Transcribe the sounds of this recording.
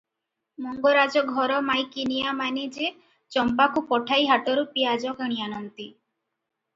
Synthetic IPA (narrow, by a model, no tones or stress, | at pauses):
mɔŋɡoɾad͡ʒɔɡʱɔɾɔmajkinijamanid͡ʒe | t͡ʃɔmpakʰupɔʈʰajɦaʈɔɾupiad͡ʒɔkəɽ̃ianɔnt̪i